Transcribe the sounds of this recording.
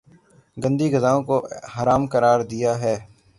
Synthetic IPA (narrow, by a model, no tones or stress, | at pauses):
ɡə̃nd̪iːɡəzaːõːkoɦəɾaːmkəɾaːɾd̪ɪjaːɦɛː